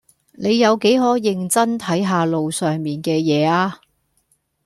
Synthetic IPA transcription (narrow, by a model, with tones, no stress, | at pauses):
ne˨˧jːɐ˨˧wke˨˥jɦɔː˨˥jɪ˨ŋt͡sɐ˥nt̪ʰɐ˨˥jɦaː˧lo˨wsœː˨ŋmiː˨nkɛː˧jɛː˨˧aː˧